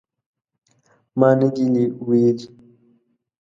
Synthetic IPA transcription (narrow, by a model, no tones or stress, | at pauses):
maniɡiliwid͡ʒ